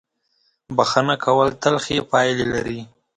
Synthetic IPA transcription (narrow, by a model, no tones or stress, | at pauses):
baxanakʰawəlt̪alxepɑjlelaɾi